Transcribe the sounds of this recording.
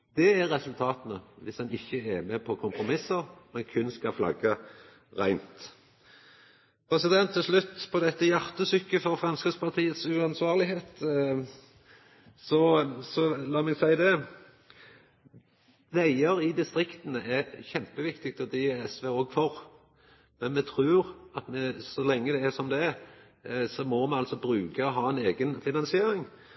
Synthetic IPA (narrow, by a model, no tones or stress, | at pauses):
d̪̥ɛæɾːɛsʉlt̪ʰɑːt̪ənəʋɪsɑnɪçːəɛmɛpʰɔkʰʊmpɾʊmɪsːəʁmɛnkʰʉnskɑflɑ̰ɡːə | ɾæɪnt̪ | pʰɾɛsɪd̪ɛnt̪ʰːɪlslʉt̪ːpʰɔd̪ɛt̪ːəjɑʁt̪əsʏkːəfɔɾfɾɑnskəspʰɑʁt̪ʰiːət̪sʉɑnsʋɑːʁlɪheːt̪ | sɔsɔlɑːmɛɡsæɪd̪ɛ | ʋæɪəɾɪd̪ɪst̪ɾɪkt̪ənəʔɛçɛmpəʋɪkt̪ɪk̚t̪ɔd̪ɛɛsʋeoːɡfɔɾ | mɛnmɛt̪ʰɾʉːɾɑt̪mɛsɔlɛŋːəd̪ɛæsɔmd̪ɛ | sɔmɔmɛnɑlsɔbɾʉːkəɔɦɑːɛneːɡənfɪnɑnsɪeːɾɪŋ